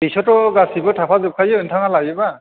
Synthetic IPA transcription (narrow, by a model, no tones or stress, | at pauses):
pisɔtɔɡasibɔtʰapʰazup̚kʰajɔentʰaŋalajɛba